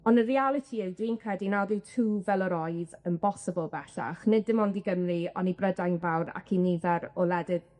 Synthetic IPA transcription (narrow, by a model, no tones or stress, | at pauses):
ɔnərialˠɪtʰiɪwdwinkʰrɛdinawðɪwtʰuːvɛlˠəɾɔjðənbɔsəbəlˠbɛɬa̰χnɪdːɪmɔndiɡəmriɔnibrədajnvawɾa̰kʰinivɛɾɔlɛdɪð̥